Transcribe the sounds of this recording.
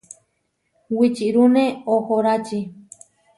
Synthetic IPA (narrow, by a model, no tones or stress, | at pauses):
wit͡ʃiɾunẽohoɾat͡ʃi